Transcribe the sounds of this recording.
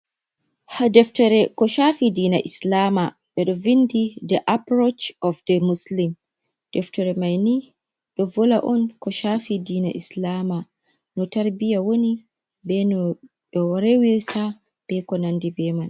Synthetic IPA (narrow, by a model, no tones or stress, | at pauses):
hadɛftɔɾɛkɔʃafidiːna̰ʔislama | ɓɛɗɔvindidɛʔapɾot͡ʃɔfdɛmuslim | d̥ɛftɔɾɛmajni | ɗɔvɔlaʔɔnkɔʃafidiːna̰ʔislama | nɔtaɾbijawoni | bɛnɔ | ɗɔwɔɾɛwiɾsa | b̥ɛkɔnandibɛːman